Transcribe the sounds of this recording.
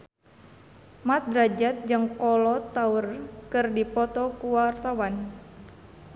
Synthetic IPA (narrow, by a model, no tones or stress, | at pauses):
mat̪̚dɾad͡ʒat̪̚d͡ʒɨŋkɔlɔt̪aurkɨrdipɔt̪ɔkuwart̪awan